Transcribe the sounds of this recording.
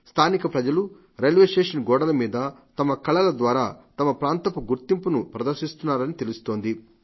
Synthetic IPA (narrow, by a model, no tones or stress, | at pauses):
st̪ʰaːnikɐpɾɐd͡ʒɐlu | ɾelʋeʂʈeːʂɐnɡɔːɽɐlɐmiːd̪ɐt̪ɐmɐkɐɭɐlɐd̪ʋaːɾa̰ːt̪ɐmɐpɾaːnt̪ɐpuɡuɾt̪impunupɾɐd̪ɐɾʃist̪unːaːɾɐnit̪e̞lust̪o̞ːnd̪i